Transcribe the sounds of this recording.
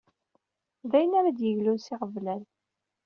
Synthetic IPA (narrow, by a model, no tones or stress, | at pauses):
ðæjənæɾæd̪jəʝlusɪʁəvlæɾ